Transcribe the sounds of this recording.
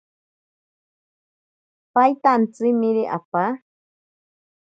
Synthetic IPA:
pajt̪ant͡sɨmĩɾiʔa̰pa

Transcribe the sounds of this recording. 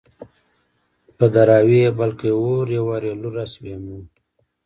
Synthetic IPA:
pəd̪aɾaːwebalkeoɾjawaɾeluɾasbemu

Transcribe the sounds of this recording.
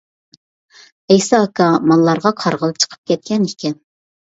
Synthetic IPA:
ɛjsɑːkɑmɑlˠːɑɾʁɑqʰɑɾʁəlˠɨp̚t͡ʃʰə̥qʰə̥p̚kʲɛt̪̚kʲɛnikʲɛm

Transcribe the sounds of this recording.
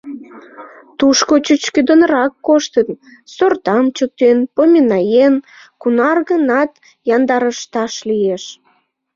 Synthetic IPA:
t̪uʃkot͡ɕyt͡ɕkød̪onɾɑkːoʃt̪ən | sort̪ɑmt͡ɕək̚t̪enpomʲinɑjen | kunɑrɣənɑt̪ | jɑnd̪ɑɾəʃt̪ɑʃlieʃ

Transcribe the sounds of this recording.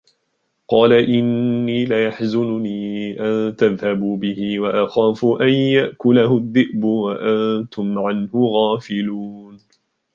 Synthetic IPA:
qɑːlaʔɪnːiːlajaħzʊnʊniːʔant̪aðhabuːbɪhɪwaʔaxaːfʊʔanjaʔkʊlahʊðːɪʔbʊwaʔant̪ʊmʕanhʊɣaːfɪluːn

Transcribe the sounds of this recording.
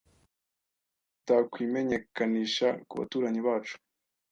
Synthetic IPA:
takwiːme̞ɲe̞kaniːʃakuβa̰tuːɾaɲiβaːt͡ʃu̥

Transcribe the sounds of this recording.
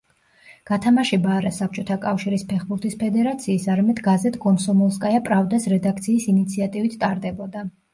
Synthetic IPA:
ɡ̥at̪ʰamaʃɛbaːɾasap̚ʰt͡ʃʼɔt̪ʰakʼafʃiɾispʰɛχbuɾt̪ʰʼispʰɛd̪ɛɾat̪sʰiːsaɾamɛd̪ɡazɛt̪ʼɡɔnsɔmɔlˠskʼajapʼɾavd̪asɾɛd̪ak̚ʰt̪sʰiːsinit̪sʰiat̪ʼivit̪ʰt̪ʼaɾd̪ɛbɔd̪a

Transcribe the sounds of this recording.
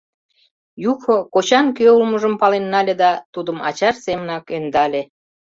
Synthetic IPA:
juxokot͡ɕɑnkøulməʒəmpɑlenːɑlʲed̪ɑt̪ud̪əmɑ̰t͡ɕɑrsemənɑkønd̪ɑlʲe

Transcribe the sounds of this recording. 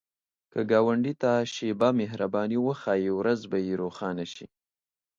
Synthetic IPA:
kəɡɑwaɳɖit̪aʃebamɪɦɾabɑniwəxɑjewɾazbajeɾoxɑnaʃḭ

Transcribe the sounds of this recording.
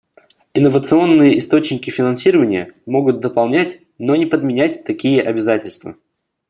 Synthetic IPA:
ɪnːəvət̪sɨo̞nːɨjəɪst̪o̞t͡ɕnʲɪkʲɪfʲɪnɐnsʲiɾəvənʲɪjəmo̞ɡʊt̪̚d̪əpɐlˠnʲætʲ | no̞nʲɪpəd̪mʲɪnʲætʲt̪ɐkʲijəʔɐbʲɪzatʲɪlʲst̪və̰

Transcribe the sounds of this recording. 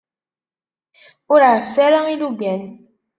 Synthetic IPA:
uɾafsɛɾɔŋiluɡ͡bɛn

